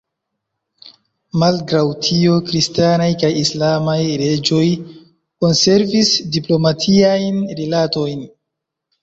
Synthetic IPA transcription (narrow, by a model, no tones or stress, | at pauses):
malɡɾawtʰio̞kɾistanajkajislamajɾe̞d͡ʒo̞j | ko̞nse̞ɾvisdiplo̞matʰiajnɾilato̞jn